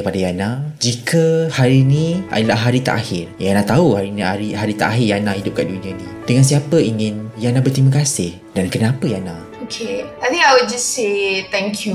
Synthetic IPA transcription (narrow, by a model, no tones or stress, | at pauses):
kəpadajanad͡ʒikʰəhaɾinĩa̰dəlaɦaɾit̪a̰ʔahɪrjanãt̪auhaɾinĩaɾiɦaɾit̪a̰ʔaɦɪrjanãhidʊp̚kaʔduniə̃nĩdəŋans̬iapəiŋɪnjanabərt̪ɾimakasɪh | dankənapəjanã | okʰeajt̪ĩŋkajwud̚d͡ʒasset̪ɛ̃ŋkʰju